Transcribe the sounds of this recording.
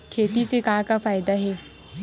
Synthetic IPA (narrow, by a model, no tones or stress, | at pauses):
kʰeːt̪isekaːɾkafaːjd̪aɦeː